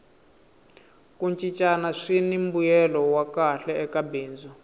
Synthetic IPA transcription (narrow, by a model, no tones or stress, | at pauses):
kunt͡ʃʼit͡ʃʼanaʂinimbujɛlɔwakaɬɛɛkabeːnd͡zu